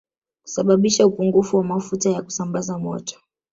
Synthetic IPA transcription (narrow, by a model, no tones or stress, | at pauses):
ku̥saɓaɓiʃaupuŋɡufuwamafutajaku̥sambazamɔ̰tɔ̥